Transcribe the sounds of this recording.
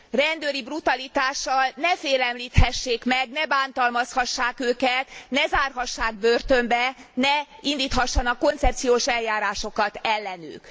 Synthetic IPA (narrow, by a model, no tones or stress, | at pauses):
rɛnd̪øːɾibrut̪ɒlit̪aːʃːɒlnɛfeːlɛmliːt̪hɛʃːeːkmɛɡ̚nɛbaːnt̪ɒlmɒshɒʃːaːkøːkɛt̪nɛzaːrɦɒʃːaːɡ̚børt̪ø̞mbɛnɛind̪iːt̪hɒʃːɒnɒkːo̞nt̪sɛp̚t̪sijoːʃɛljaːɾaːʃo̞kɒt̪ɛlːɛny̰ːk